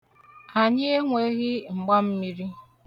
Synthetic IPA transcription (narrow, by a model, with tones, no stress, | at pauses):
a˨ɲɪ˦e˦ŋʷe˦ɣɪ˦ŋ͡m̩˨ɡ͡ba˦m̩˦mi˦ɾi˦